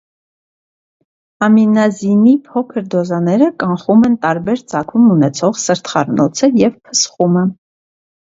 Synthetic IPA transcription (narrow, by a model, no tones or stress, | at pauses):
ɑminɑzinipʰɔkʰəɾd̪ɔzɑnɛɾəkɑɴχumɛnt̪ɑɾbɛɾt͡sɑkʰumunɛt͡sʰɔʁsəɾt̪χɑɾnɔt͡sʰəjɛvpʰə̥sχumə